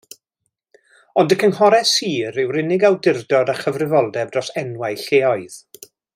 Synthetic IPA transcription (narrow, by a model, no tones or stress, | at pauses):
ɔndəkʰənhɔɾɛsiːɾɪwrɪnɪɡawdɪrdɔdaχəvrɪvɔlˠdɛb̚drɔsɛnwaɨɬeːɔɨð̥